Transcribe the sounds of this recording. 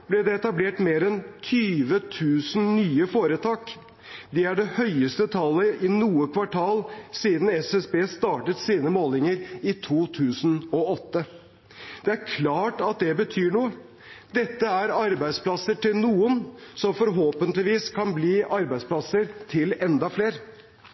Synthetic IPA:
b̥lɛd̪ɛɛt̪ɑbleːʈmeːɾɛnt̪ʰyːʋət̪ʰʉːsn̩nyːəfoːɾət̪ʰɑːk | d̪ɛæɖɛhœʏəst̪ət̪ʰɑlːəʔɪnuːəkʰʋɑʈʰɑːlsiːd̪n̩ɛsɛsbeːst̪ɑːʈət̪siːnəmoːlɪŋəɾɪt̪ʰuːt̪ʰʉːsnɔɔt̪ːə | d̪̥ɛæɾkʰlɑːʈɑt̪̚d̪ɛbət̪ʰyːɳuːə | d̪ɛt̪ːəæɾɑɾbæɪd̪spʰlɑsəʈɪlnuːənsɔmfɔɾɦoːpənt̪lɪʋiːskʰɑnbliːʔɑɾbæɪd̪spʰlɑsəɾt̪ʰɪlɛnd̪ɑfleːɾ

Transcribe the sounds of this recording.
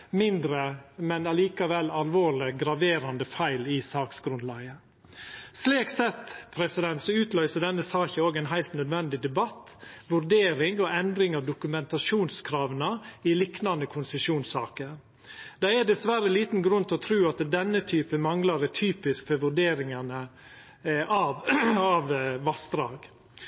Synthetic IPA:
mɪnd̪ɾəmɛnɑliːkɑʋɛlɑlʋoːɭɪɡɾɑʋeːɾɑnd̪əfæɪlɪsɑːksɡɾʉnd̪lɑːɡə | sleːksɛt̪pʰɾɛsɪd̪ɛnt̪sɔʉːt̪lœʏsəɖɛnːəsɑːçəoːɡɛnɦæɪlt̪nœd̪ʋɛnd̪ɪd̪ɛbɑt̪ː | ʋʉɾɖeːɾɪŋɔɛnd̪ɾɪŋɑʋd̪ʊkʉmɛnt̪ɑʃuːnskʰɾɑːʋnəɪlɪknɑnd̪əkʰʊnsəʂuːnsɑːkəɾ | d̪̥ɛæd̪ɛsʋæɾəliːt̪nɡɾʉnt̪ʰɪɔt̪ʰɾʉːɑt̪d̪ɛnːət̪ʰyːpəmɑŋlɑɾət̪ʰyːpɪskfɔɾʋʉɖeːɾɪŋɑnə | ʔɑʋɑʋʋɑst̪ɾɑːɡ̥

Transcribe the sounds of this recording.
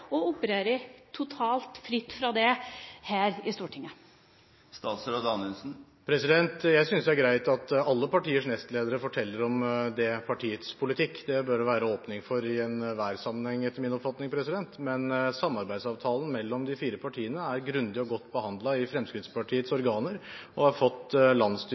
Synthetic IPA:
ɔʊpəɾeːɾət̪ʰʊt̪ʰɑːlt̪fɾɪt̪ːfɾɑd̪ɛhæːɾɪst̪uːʈʰɪŋːə | st̪ɑːt̪sɾɔd̪ɑnɛlsn̩ | pʰɾɛsɪd̪ɛnt̪jæɪsʏnsd̪ɛæɾɡɾæɪt̪ɑt̪ɑlːəpɑʈiːəʂnɛst̪leːd̪əɾəfɔʈʰɛlːəɾɔmd̪ɛpʰɑʈʰiːət̪spʰʊlɪt̪ʰɪkːd̪ɛbœɾʋæːɾəoːpnɪŋfɔɾɪɛnʋæːɾsɑmːənhɛŋːɛt̪ːəɾmɪnɔpfɑt̪nɪŋpʰɾɛsɪd̪ɛnt̪mɛnsɑmːɑɾbæɪsɑːʋt̪ʰɑːlən̩mɛlːɔmd̪ɪfiːɾəpʰɑʈʰiːənəæɾɡɾʉnd̪ɪɔɡɔt̪ːbəhɑnd̪lɑɪfɾɛmskɾɪt̪spɑʈʰiːət̪sɔɾɡɑːnəɾɔhɑɾfɔt̪ːlɑnsd̪

